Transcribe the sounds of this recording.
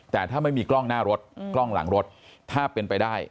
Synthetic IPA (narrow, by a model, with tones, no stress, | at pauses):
t̪ɛː˨˩t̪ʰaː˥˩ma˥˩jmiː˧klɔ˥˩ŋnaː˥˩ɾo˦˥t̪̚kklɔ˥˩ŋla̰˩˦ŋɾo˦˥t̪̚t̪ʰaː˥˩pe˧npa˧jdaː˥˩j